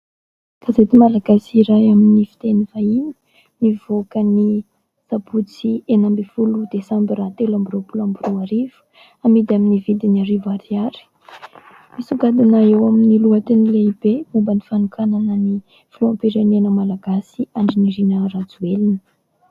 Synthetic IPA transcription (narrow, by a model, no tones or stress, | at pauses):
kazet̪imalaɡasiɾajaminifi̥t̪enivainə̥ | nivokəni | sabut͡sienambifulud̪̥esambiɾat̪elambiɾopulambirowaɾiv̥u̥ | amid̪iaminivid̪iniaɾivaɾiaɾi̥ | misuɡad̪inaewaminiluat̪inileib̥emumbənifanukʰananəni | filompiɾenenəmalaɡasiaɳɖ͡ʐiniɾinərad͡zuelinə̥